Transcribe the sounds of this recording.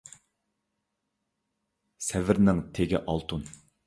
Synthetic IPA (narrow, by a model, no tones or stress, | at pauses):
sɛvɪɾnɪŋt̪ʰeɡʲɪ̰ʔɑlˠt̪ʰun